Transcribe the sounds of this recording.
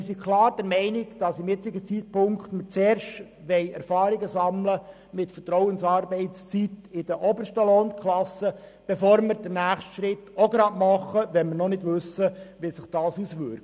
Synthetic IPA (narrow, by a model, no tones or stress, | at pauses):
ɪɾsikʰlɑːɾd̥əɾmɛɪnɪɡd̥ɑsɪmjɪt͡sɪɡət͡sit̚pʊŋkχtmət͡sɛːɾʃt | ʋɛɪɛɾfɑːɾiɡəsɑmlə | mɪtfətɾɔʊənsɑːɾbɛɪt͡st͡sitɪd̥əʔɔbəʃtəlɔnkʰlɑsə | b̥efoːɾmɪɾd̥ənæːχstʃɾɪtoɡɾɑːdmɑχəʋɛnmɪɾnɔnɪdʋʉsːəʋisɪχd̥ɑːsusʋʏɾkt